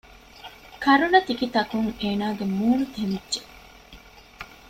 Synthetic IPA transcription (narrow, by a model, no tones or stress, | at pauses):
kɐɾunɐt̪ikit̪ɐkuŋeːnaːɡemuːnut̪emidːʒe